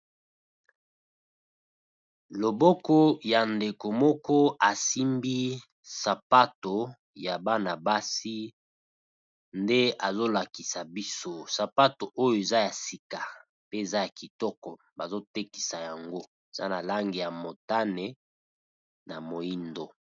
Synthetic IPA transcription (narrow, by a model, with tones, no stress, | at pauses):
lo˨bɔ˦kɔ˦ja˨nde˨ko˨mɔ˦kɔ˦a˨si˦mbi˦ | sa˨pa˦to˨ | ja˨ba˦na˨ba˦si˦ | nde˦a˨zo˦la˨ki˨sa˨bi˦so˦sa˨pa˦to˨ʔo˦jo˦e˨za˦ja˨si˨ka˨ | pe˦e˨za˦ja˨ki˨tɔ˦kɔ˨ | ba˨zo˦te˦ki̥˨sa˨ja˨ŋɡo˦ | e˨za̰˦na˨la˦ŋɡi˨ja˨mo˨ta˦ne˨ | na˨mo˨ji˦ndo˨